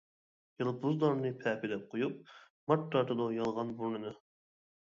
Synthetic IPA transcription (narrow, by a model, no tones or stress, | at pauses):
jɨlˠpuzd̪ˠɑɾnɨpʰɛpid̪ɛp̚qʰojup̚ | mɑtːɑɾt̪ʰɨd̪ɑjɑlˠʁɑnbuɾnɨnɨ